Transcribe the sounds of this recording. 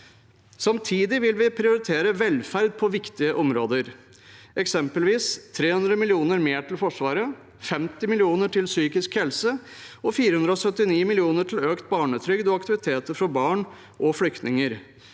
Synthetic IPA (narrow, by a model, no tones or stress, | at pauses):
sɑmt̪ʰiːd̪ɪʋɪlʋɪpʰɾɪʊɾɪt̪ʰeːɾəʋɛlfæɾd̪̚pʰɔʋɪkt̪ɪəʔɔmɾo̰ːd̪əɾ | ɛksɛmpəlʋiːst̪ʰːɾeːhʉnd̪ɾəmɪlɪuːnəɾmeːʈʰɪlfɔʂʋɑːɾə | fɛmt̪ɪmɪlɪuːnəʈɪlsyːkɪskhɛlsəɔfiːɾəhʉnd̪ɾəɔsœt̪ːɪniːmɪlɪuːnəʈʰɪløːkt̪̚bɑːɳət̪ʰɾʏɡd̪ɔɑkt̪ɪʋɪt̪ʰeːt̪əɾfɔbɑːɳ | ʔɔflʏkt̪nɪŋəɾ